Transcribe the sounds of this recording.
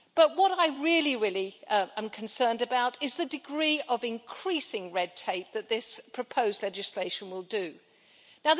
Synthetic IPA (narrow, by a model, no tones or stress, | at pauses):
b̥ʌt̚wʌɾaɪɹɪlˠiɹɪlˠiə̃mkʰn̩sɜ̃˞ndɨbaʊɾɨzðɨdɨɡɹiʌvɨ̃nkʰɹ̥isɪ̃ŋɹɛd̚tʰeɪp̚ðɨt̪̚ðɪspʰɹ̥ɨpʰoʊzdˡlɛd͡ʒɨsleɪʃɨ̃n̩wɪlˠdɨ | naʊð